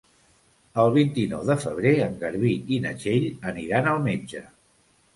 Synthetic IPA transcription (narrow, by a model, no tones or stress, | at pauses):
əlˠβint̪inɔwðəfəβ̞ɾeəŋɡəɾβiinə̰ʒeʎəniɾanəlˠmed͡ʒə